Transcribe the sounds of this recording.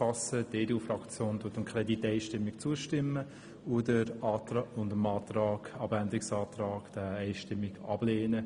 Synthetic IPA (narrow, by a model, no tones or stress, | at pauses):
ɑsədeduːfrɑkt͡sjoːnd̥utəmkʰɾɛditːɛɪʃtɪmːɪkt͡suəʃtɪmːə | udəɾɑtːʊndəmɑːt̪ɾɑːɡɑbændɪksɑːt̪rɑːɡ̥d̥əɛɪʃtɪmːɪɡɑ̰b̥leːnə